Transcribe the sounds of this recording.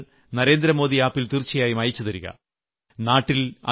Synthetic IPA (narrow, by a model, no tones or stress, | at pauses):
nɐɾe̞ːnd̪ɾɐmo̞ːðiaːpːilt̪irt͡ɕːɐjaːjumɐjɐt͡ɕːuðɐɾuɣɐ̰ | naːʈːilɐ̰